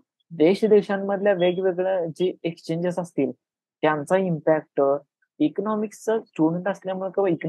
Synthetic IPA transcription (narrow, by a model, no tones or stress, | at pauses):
d̪eɕd̪eɕamːəd̪ʱljaʋeɡʋeɡɭad͡ʑiːekst͡ɕẽɲd͡ʑəsast̪iːl | t̪jant͡saimpæk̚ʈ | iknɔmikst͡səsʈuɖəɳʈast̪ljamuɭekəʋaik